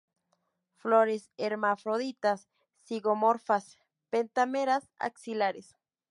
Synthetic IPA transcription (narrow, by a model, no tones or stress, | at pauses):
floɾeseɾmafɾoðit̪asː | iɣomoɾfas | pent̪ameɾasa̰ksilaɾes